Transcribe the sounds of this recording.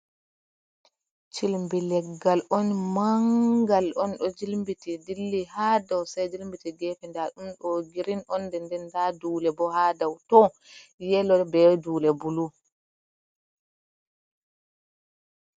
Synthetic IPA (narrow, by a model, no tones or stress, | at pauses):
t͡ʃilmbilɛɡːalʔɔnmaŋɡalʔɔnɗɔd͡ʒilmbitidilːihaːdawsajd͡ʒilmbitiɡɛfɛndaɗumɗɔɡiɾinʔɔndɛndɛndaduːlɛbɔhaːdawtɔ | jɛlɔbɛduːlɛbulu